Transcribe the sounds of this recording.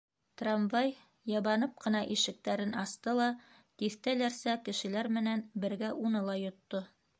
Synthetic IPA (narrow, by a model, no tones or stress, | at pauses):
t̪ramvɑj | jɑβɑnɤp̚qɤ̆nɑʔiʃɘ̆k̚t̪æɾɘnɑst̪ɤlˠɑ | t̪iθt̪ælæɾsækɘ̆ʃɘ̆læɾmɘ̆nænbɘ̆ɾɡæʔunɤlˠɑjŏt̪ːo